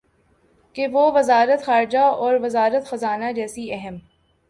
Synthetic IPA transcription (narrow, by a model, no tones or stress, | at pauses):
keʋoʋɐzaːɾət̪xaːɾɪd͡ʒaɔːɾʋɐzaːɾət̪xɐzaːnad͡ʒɛːsiɛɦɛm